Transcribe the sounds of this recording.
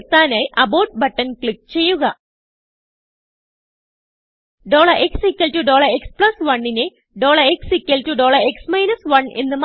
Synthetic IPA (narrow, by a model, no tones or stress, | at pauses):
t̪aːnaːjʔɐboːʈ̚bɐʈːɐnkɭik̚ːt͡ɕe̞jːuɣɐ | ɖoːɭɐʔeksikʲːɐltuɖo̞ːɭɐekspɭɐsʋɐɳːine | ɖo̞ːɭɐeksikʲːɐltuɖo̞ːɭɐeksmɐjnɐsʋɐɳe̞̰nːɨma